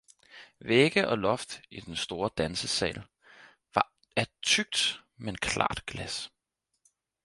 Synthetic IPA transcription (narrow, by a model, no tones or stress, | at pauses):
ʋeɡ̥əʔɒ̽lɒ̽fd̥id̥ensd̥o̝ːɐd̥ænsəsɛ̰ːl | ʋɑ̈ | æt͡sʰyɡ̥̚d̥menkʰlɑ̰̈ːd̥ɡ̥læs